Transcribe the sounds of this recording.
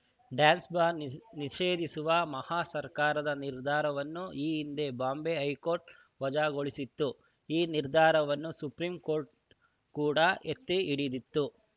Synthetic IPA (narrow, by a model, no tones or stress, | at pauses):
ɖjaːnsbaːniʃeːd̪isuʋɐmɐhaːsɐɾkaːɾɐd̪ɐniɾd̪ʱaːɾɐʋɐnːuiːind̪e̞baːmbeɦɐjkoːɾʈ | ʋɐd͡ʒaːɡoɭisit̪ːu | iːniɾd̪ʱaːɾɐʋɐnːusupɾiːmko̞ːɾʈ̚ | kuːɽɐet̪ːeiɽid̪it̪ːu